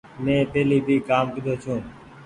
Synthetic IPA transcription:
mẽːpeːliːbʱiːkaːmkəɗ̪oːt͡ʃʰũː

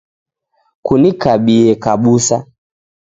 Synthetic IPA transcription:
kunikaɓiɛkaɓusa

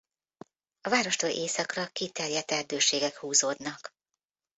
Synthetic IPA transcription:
ɒvaːɾo̞ʃt̪olʔeːsɒkrɒkit̪ɛrjɛt̪ɛrd̪øːʃeːɡɛkhuːzoːd̪nɒk

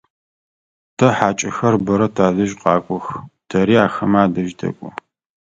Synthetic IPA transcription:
tʰɐħaːt͡ʃʼɪxɐrbɐɾɐtʰaːzɨʒqʼɑːkʷʼɔxtʰɐɾiːaːxɐmaːdɐʒtʰɐ̰kʷʼʊ̰

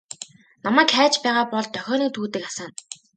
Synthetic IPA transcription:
namæːkχæːt͡ɕpæːʁaːpɔɮt̪œxʲɔːniːkt̪ʰuːt̪ɘ̆kasaːn

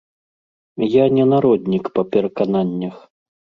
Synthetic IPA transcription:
janʲɛnaɾɔd̪ʲnʲikpɐpʲɛɾɐkananʲːɐx

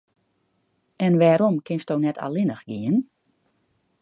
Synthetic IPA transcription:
ɛnʋɛːɾomkʰɪnstownɛtʰa̰lɪnəxɡiən

